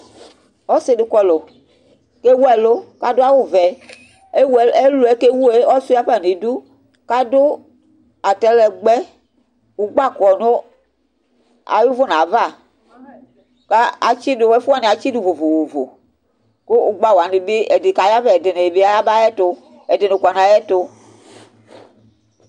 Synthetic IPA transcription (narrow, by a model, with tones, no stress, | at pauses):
ɔ˦se˦dʊ˨kɔ˦lo˨ | ke˦wu˦ɛ˨lo˦ka˨dʊ˦a˦wo˦vɛ˨ | e˦we˦lu˨ɛ˦ke˦wu˦e˦ɔ˦su˦a˦ɸa˦˨ni˨du˦ | ka˦dʊ˦ | a˨tɛ˦lɛ˨ɡ͡bɛ˦ | u˨ɡ͡ba˦˨kɔ˨no˦ | a̰˨ju˦vo˦nã˨va˦˨ | ka˦a˨t͡ʃi˦dʊ˨wɛ˦fu˦a˨ne˨a˨t͡ʃi˦du˨vo˨vo˨vo˨vo̰˨ | ko˦u˨ɡ͡ba˦˨wa˨ni˨be˦ɛ˨de˨ka˨ja˦vɛ˦˨ɛ˨de˨ne˨e˨be˦a˦ja˦ba˦jɛ˦to˦ | ɛ˨de˨ne˨ka˨na˨jɛ˦to˦